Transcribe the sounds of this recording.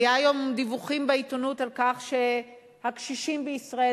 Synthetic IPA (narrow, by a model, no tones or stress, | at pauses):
jaajo̞md̪ivuχimbeit̪onutalkaχʃe | hakʃiʃimbeisʁae